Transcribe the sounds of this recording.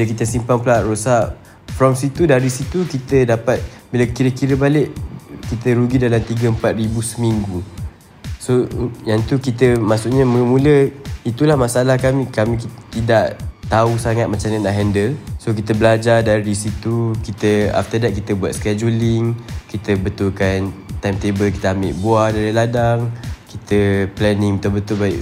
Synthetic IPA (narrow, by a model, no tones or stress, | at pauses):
bilak̬it̪əsimpaŋpəlaʔɾosaʔ | fɾɔmsit̪udaɾisit̪ukit̪ədapat̪̚biləkiɾəkiɾəbalɪʔkit̪əɾuɡidalamt̪iɡəəmpat̪̚ribusəmiŋɡu | sojaŋt̪ukit̪əmaʔsuʔɲəməmũləit̪ulahmasalahkamikamĩkit̪idaʔt̪ausaŋat̪̚mat͡ʃamɲanaʔɦɛndəlsok̬it̪əbəlad͡ʒadaɾidisit̪ukit̪əa̰ft̪ədat̪ʔ̚kit̪əbuat̪sə̥kɛd͡ʒulɪŋkit̪əbət̪ʊlkant̪ajmt̪ebəlki̥t̪əambeʔbuadaɾiladaŋkit̪əplɛnɪ̃ŋit̪abət̪ʊlbaɪʔ